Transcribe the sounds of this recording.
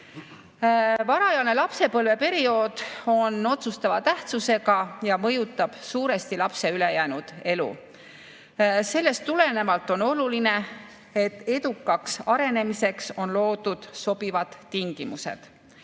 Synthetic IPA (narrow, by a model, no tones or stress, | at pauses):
vɑɾɑjɑlne̞lɑpse̞pɤlve̞pe̞ɾio̞ːd̪̥o̞no̞t̪sust̪ɑvɑt̪æht̪suse̞ɡɑjɑmɤ̞jut̪ːˑɑb̥suːɾe̞st̪ilɑpse̞yle̞jæːnud̪̥e̞lṵ | se̞lːe̞st̪ːule̞ne̞mɑlt̪ːˑo̞no̞luline̞ | e̞t̪ːe̞d̪ukːˑɑksɑɾe̞ne̞mise̞kso̞nlo̞ːd̪̥ud̪̥so̞b̥ivɑd̪̥ːiŋɡ̥imusḛd̪̥